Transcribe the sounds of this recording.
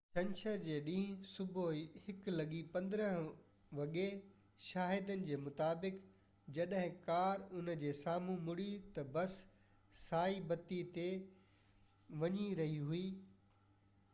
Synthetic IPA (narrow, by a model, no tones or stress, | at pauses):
t͡ɕʰɐ̃ɲt͡ɕʰəɾd͡ʑeːɗĩːɦsʊbʱoihɪklɐɠipɐ̃nd̪ɾəɦ | ʋɐɠe | ʃaːɦɪd̪ənɪ̆d͡ʑeːmʊt̪aːbɪk | d͡ʑɐɗɦɪ̃kaːɾʊnə̆d͡ʑeːsaːmũmʊɽit̪ɐbɐsː | aːibɐt̪it̪e | ʋɐɲiɾɐɦiɦuiː